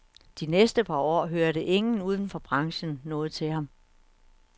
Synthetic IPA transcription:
d̥inesd̥əpʰɑ̈ɒ̰ːɦøɐɾəʔe̝ŋn̩uːð̞ˠn̩fɒ̽b̥ʁɑ̈ŋɕn̩ːɔ̽ːð̞̩ˠt͡sʰe̝lɦɑ̈m

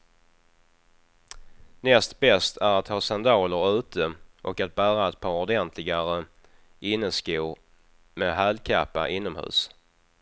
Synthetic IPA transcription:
nɛst̪bɛst̪ʰæɾat̪ʰhɑːsand̪ɑːləɾʉ̟ːt̪əʔɔkat̪̚bæːɾaɛt̪̚pʰɑːɾɔd̪ɛnt̪ʰlɪɡaɾə | ɪnːəskuːɾ | mɛɦalkʰapːa̰ʔɪnːɔmhʉ̟̰ːs

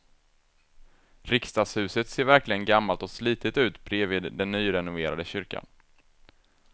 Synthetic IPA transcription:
ɾɪkst̪ɑːshʉ̟ːsət̪seːɾvæɾklɪɡənɡamːalt̪ɔsliːt̪ɪt̪ʉ̟ːt̪bɾeːvɪːd̪d̪ɛnːyːɾɛnʊveːɾa̰d̪əɕʏɾka̰n

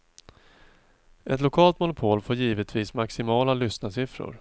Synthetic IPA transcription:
ʔɛt̪lʊkʰɑːlt̪mʊnʊpʰoːlfoːɾjiːvət̪ʰviːsmaksɪmɑːlalʏsnasɪfɾʊ̰ɾ

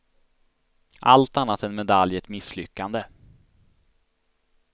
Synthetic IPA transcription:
ʔalt̪anːat̪ɛnmɛd̪aljɛt̪mɪsːlʏkːand̪ə

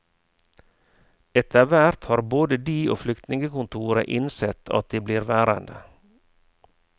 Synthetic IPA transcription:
ɛt̪ʰəʋæɾt̪hɑːɾboːd̪əd̪iːʔo̰ːflʏkt̪nɪŋɡəkʊnt̪ʰuːɾə̰ʔɪnsɛt̪ʰɑ̰t̪̚d̪iːbliːɾʋæːɾə̰nd̪ə̰

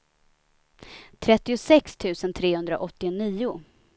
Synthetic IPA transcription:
t̪ʰɾɛt̪ːɪʊsɛkst̪ʰʉ̟ːsənt̪ʰɾeːhɵnd̪ɾaʔɔt̪ːɪniːʊ

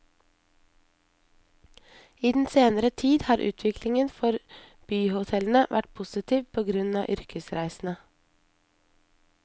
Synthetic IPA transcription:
iːd̪n̩seːnəɾət̪ʰiːd̪hɑːɾʔʉ̰ːt̪ʰʋɪkʰlɪŋənfɔɾb̥yːhʊt̪ʰɛln̩əʋʔæ̰ʈpʰʊsɪt̪ʰiːʋpʰoːɡɾʉnɑ̰ːʔʏɾkəsɾæɪsn̩ə

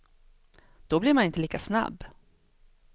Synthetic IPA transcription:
d̪̥ɔblɪɾmanɪnt̪əliːkasna̰bː

